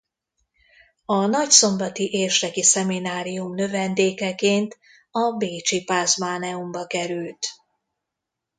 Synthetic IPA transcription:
ɒnɒcso̞mbɒt̪iʔeːrʃrɛkisɛminaːɾijumnø̞vɛnd̪eːkɛkeːnt̪ | ɒbeːt͡ʃipaːzmaːnɛumbɒkɛɾylt̪

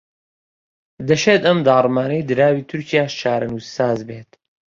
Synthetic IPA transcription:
d̪ɐʃeːt̪ɐmd̪aːrˤmaːnɐjd̪ɨɾaːwiːt̪ʰuɾcʰijaːʃʃaːɾɐnuːssaːzbeːt̪

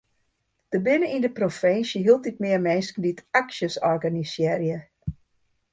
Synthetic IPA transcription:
d̥əbɪnəindəprofɪnsjəɦilˠt̚dit̚mɪərmɛnskən̩ditaksjəsɔrɡanisjɪrjə

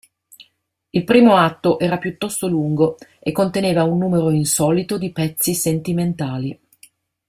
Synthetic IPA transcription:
ilpɾiːmoat̪ːoʔɛːɾapjut̪ːɔst̪oluŋɡoekːont̪eneːvaunːuːmeɾoinsɔːlit̪od̪ipɛt̪sːisent̪iment̪aːli

